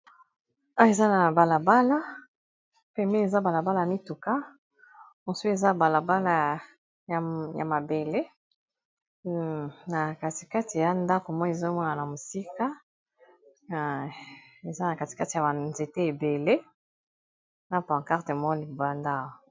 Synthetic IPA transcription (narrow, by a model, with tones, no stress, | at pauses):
a˦e˨za˦na˨ba˨la˨ba˦la˦ | pɛ˦mbe˦e˨za˦ba˨la˨ba˦la˦a˨mi˦tu˨ka˦ | mo˨su˦e˨za˦ba˨la˨ba˦la˦˨ | ja̰˨ma˨be˨le˦ | na˨ka˨ti̥˨ka˦ti˨ja˦nda˦ko˨mɔ˦e˨zo˦mɔ˦na˨na˨mo˨si˦ka˦˨ | e˨za˦na˨ka˨ti̥˨ka˦ti˨ja˨ba˨nze˨te˦e˨be˨le˦ | na˦pã˨ŋka˦ʁte˨mɔ˦li˨ba˦nda˦˨wa˨